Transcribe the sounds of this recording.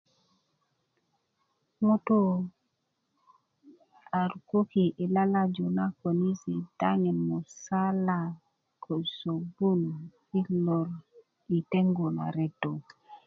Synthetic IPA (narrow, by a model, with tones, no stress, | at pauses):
ŋu˦to˦ | a˨ɾuko˦ki˨ʔi˨la˦la˦d͡ʒu˨na˦ko˨ni˦si˨ta˦ŋe˨mo˨sa˦la˨ | kʰo˨so˨bu˦n | i˦lo˨ɾ | i˨te˦ŋɡo˨la̰˨ɾe˨tːo˨